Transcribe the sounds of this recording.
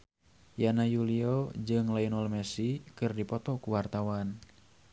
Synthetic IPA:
janajuliɔd͡ʒɨŋlainɔlmɛsikɨrdipɔt̪ɔkuwart̪awan

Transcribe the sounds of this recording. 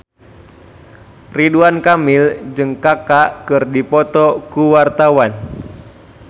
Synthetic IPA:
riduankamɪld͡ʒɨŋkakakɨrdipɔt̪ɔkuwart̪awan

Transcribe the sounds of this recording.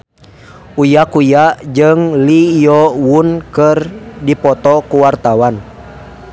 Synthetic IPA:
ujakujaʔd͡ʒəŋlijɔwunkərdipɔt̪ɔkuwart̪awan

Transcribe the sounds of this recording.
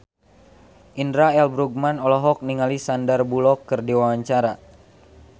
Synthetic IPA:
ʔindɾaɛlbɾuɡ̚manɔlɔɦɔk̚niŋalisandarbulɔkːərdiwawaɲt͡ʃaɾa

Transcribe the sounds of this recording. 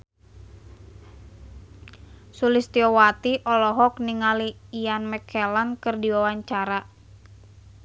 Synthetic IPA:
sulist̪iɔwat̪iʔɔlɔɦɔk̚niŋaliːjanmɛkʰɛlankɨrdiwawaɲt͡ʃaɾa

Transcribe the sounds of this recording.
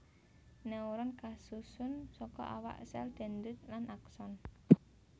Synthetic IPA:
nɛuɾɔnkasusʊnsɔkɔ̰ʔa̰wa̰ʔsɛld̪̥ɛ̤nd̪ʊt̪̚lanʔaksɔn

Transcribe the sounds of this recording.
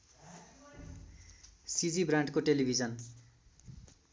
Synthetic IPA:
sid͡zibrãɳʈkoʈelibʱid͡zʌn

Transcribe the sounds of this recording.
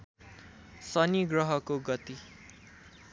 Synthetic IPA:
sʌniɡrʌɦʌkoɡʌt̪i

